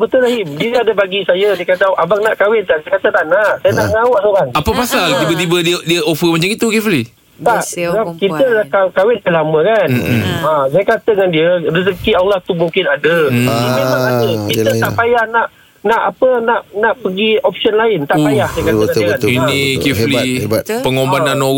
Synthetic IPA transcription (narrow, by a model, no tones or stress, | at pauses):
bət̪ulaɦɪmdiəadabaɡisajadikadaʔabaŋ̚naʔkawɪnt̪aʔsajkat̪at̪aʔnaʔsajənaʔŋaʊʔsoɾaŋapapasalt̪ibət̪ibəddiəʔofəmat͡ʃaŋit̪ukɛfəli | t̪aʔəbakit̪əakakawɪnt̪əlaməkanas̬ajakat̪ədəŋandiəris̬əkiawlaht̪umuŋkɪnadəiaaaəiət̪aʔpajahnaʔ | naʔapənaʔnaʔpəɡiɔpsənlaɪnt̪aʔajahsajkatŋaəaninĩkiflebtpəŋombanano